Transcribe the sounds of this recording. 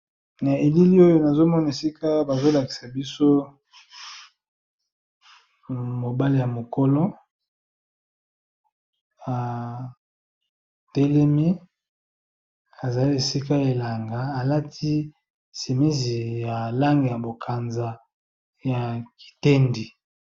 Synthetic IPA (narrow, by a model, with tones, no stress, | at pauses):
na˨e˨li˦li˦o˦jo˦na˨zo˦mɔ˦na˨e˨si˦ka˦ba˨zo˦la˨ki̥˨sa˨bi˦so˦ | mo˨ba˦li˦˨ja˨mo˨ko˦lo˦ | a˨ | te˦le˦mi˦ | a˨za˨li˦e˨si˦ka˦e˨la˨ŋɡa˨a˨la˦tʰi˦ | se˨mi˦zi˨ja˨la˦ŋɡe˨ja˨bo˨kʰa˨nza˨ | ja˨ki̥˨te˦ndi˨